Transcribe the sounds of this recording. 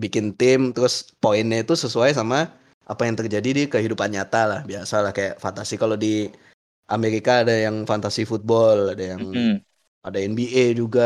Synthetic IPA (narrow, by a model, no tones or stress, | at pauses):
bikɪnt̪ɪmt̪əɾʊspoɛnɲait̪usəsuajs̬ama | ʔa̰pajaŋt̪ərd͡ʒadidikəɦidupanɲat̪alahbiasalahkajaʔfant̪asikalodi | ʔameɾikaːdajaŋfant̪asifut̪̚bɔladajaŋ | adaɛnbied͡ʒuɡa